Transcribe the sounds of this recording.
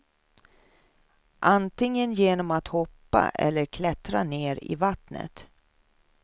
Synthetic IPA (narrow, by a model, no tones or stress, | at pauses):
ʔant̪ɪŋːənjeːnɔmat̪hɔpːa̰ʔɛ̰lːəɾkʰlɛt̪ɾaneːɾɪ̰vat̪nə̰t̪